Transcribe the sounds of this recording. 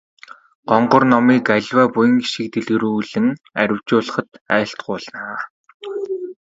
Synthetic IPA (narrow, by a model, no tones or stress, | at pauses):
ɢ̥ɔɴɢɞ̆rnɔmiːkaɮʲwaːpujə̆ŋɡiʃĭk̚t̪ĕɮɣɘ̆ɾuuːɮɘ̆ŋ | æ̰ɾʲɪ̆w̥t͡ɕʊːɮə̆χə̆t̪æːɬt̪̚ɢʊːɮnaː